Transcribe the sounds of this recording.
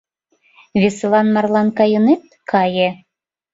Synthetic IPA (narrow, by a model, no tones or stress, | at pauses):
βʲeslɑnmɑrlɑnkɑjɤnet̪̚kʰɑje